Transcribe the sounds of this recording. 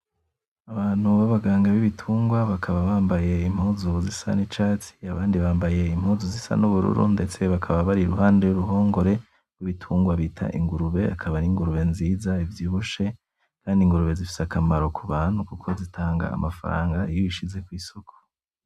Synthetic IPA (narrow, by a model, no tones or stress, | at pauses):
aβaːn̥huβaβaɡaːŋɡaβiβitʰuːŋɡwaβakʰaβaβaːmbaje̞im̥huːzuzisa̰nit͡ʃaːt͡si̥aβaːndiβaːmbaje̞imhuːzuzisa̰nuβuɾṵɾṵnde̞t͡se̞βakʰaβaβaɾiɾuɦaːnde̞juɾuɦo̞ːŋɡo̞ɾe̞ | ɡwiβitʰuːŋɡwaβiːtʰa̰ʔḭŋɡuɾuβe̞akʰaβaniŋɡuɾuβe̞nziːzaivjiːβuʃe̞ | kʰaːndiŋɡuɾuβe̞zifi̥sakamaɾo̞kʰuβaːnhukukʰo̞zitʰaːŋɡa̰ːmafaɾa̰ːŋɡaijoiʃize̞kwiːsokʰo̥